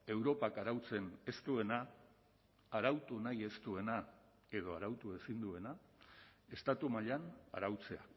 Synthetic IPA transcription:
e̞wɾo̞pakaɾawt͡se̞ne̞st̪ue̞na | aɾawt̪unaje̞st̪ue̞na | e̞ð̞o̞aɾawt̪ue̞sind̪ue̞na | e̞st̪at̪umaʎana̰ɾawt͡se̞a̰

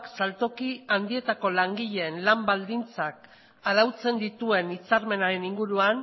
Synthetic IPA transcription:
ksalt̪o̞kiand̪ie̞t̪ako̞laŋɡiʎe̞ːnlambald̪int͡sak̚ | aðawt͡se̞nd̪it̪ue̞nit͡saɾme̞naɾe̞niŋɡuɾuan

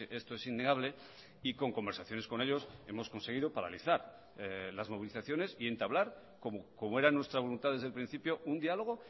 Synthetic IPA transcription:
ʔest̪oe̞sinːeɣ̞aβle̞ | iko̞ŋko̞mbe̞ɾsaθjo̞ne̞sko̞ne̞ʎo̞se̞mo̞sko̞nseɣ̞iðopaɾa̰liθaɾ | elazmo̞β̞iliθaθjo̞ne̞sie̞nt̪aβlaɾ | komokomoe̞ɾanwe̞st̪ɾaβ̞o̞lunt̪aðe̞zðlpɾin̟θipjound̪ialo̞ɣ̞o̞

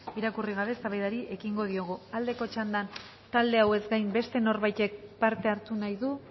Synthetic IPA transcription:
iɾakuriɣ̞aβe̞saβajðaɾiʔe̞kiŋɡo̞ð̞io̞ɣ̞uald̪e̞ko̞t͡ʃand̪an | t̪ald̪e̞awe̞zɡajmbe̞st̪e̞no̞ɾβajt̪e̞k̚paɾt̪e̞aɾt̪unajðu

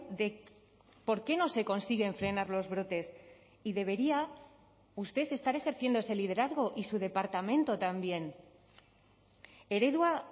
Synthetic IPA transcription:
ðe̞ | po̞ɾke̞no̞se̞ko̞nsiɣe̞ɱfɾe̞naɾlo̞zβɾo̞t̪e̞s | iðe̞β̞e̞ɾia | ust̪e̞θe̞st̪aɾe̞xe̞ɾθje̞nd̪oese̞lið̞e̞ɾaðɣ̞o̞ʔisuð̞e̞paɾt̪amẽ̞nt̪o̞t̪ambje̞n | e̞ɾe̞ðwa

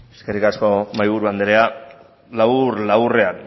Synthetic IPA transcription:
eskerikasko̞majβ̞uɾuand̪eɾea | lawɾlawre̞an

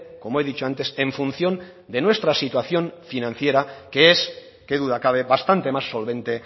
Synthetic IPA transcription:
ko̞moe̞ðit͡ʃoant̪ese̞ɱfunθjo̞n | d̪e̞nwe̞st̪ɾasit̪waθjõ̞ɱfinãn̟θjeɾakees | ke̞ðuðakaβ̞eβast̪ant̪e̞masːo̞lβẽ̞nt̪e

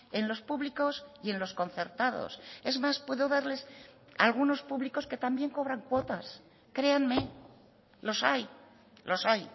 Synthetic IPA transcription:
e̞nlo̞spuβliko̞sie̞nlo̞sko̞nθe̞ɾt̪aðo̰se̞zmaspwe̞ðo̞ðaɾle̞s | a̰lɣuno̞spuβliko̞ske̞t̪ambje̞ŋko̞β̞ɾaŋkwo̞t̪as | kɾe̞anme | lo̞saj | lʔo̞saj

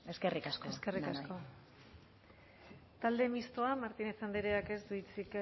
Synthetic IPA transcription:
eskerikaskoeske̞rikasko̞ | t̪ald̪e̞mist̪oamaɾt̪inesand̪iɾeake̞sd̪uit͡sik

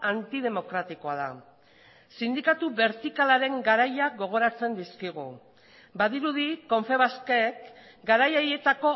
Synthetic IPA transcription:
ant̪iðe̞mo̞kɾat̪iko̞að̞a̰ | sind̪ikat̪uβe̞ɾt̪ikalaɾe̞ŋɡaɾajaɣo̞ɣ̞o̞ɾat͡se̞nd̪iskiɣ̞u | baðiɾuð̞iko̞ɱfe̞β̞askeːk | ɡaɾajaje̞t̪ako̞

